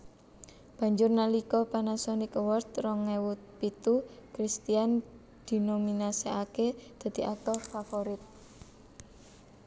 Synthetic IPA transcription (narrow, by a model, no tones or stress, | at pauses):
b̥a̤ɲd͡ʒʊrnalikɔpanasɔnikwɔrt̪rɔŋɛwut̪̚pit̪ukɾist̪ian | d̪̥i̤nominaseaked̪̥a̤d̪̥i̤ʔak̚t̪ɔfafoɾɪt̪̚